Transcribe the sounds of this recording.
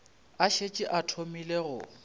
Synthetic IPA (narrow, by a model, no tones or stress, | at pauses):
aʃet͡ʃʼɪʔatʰomileɣʊ̰